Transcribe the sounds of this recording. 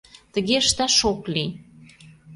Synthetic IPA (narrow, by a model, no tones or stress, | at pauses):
t̪ə̆ɣeəʃt̪æʃokli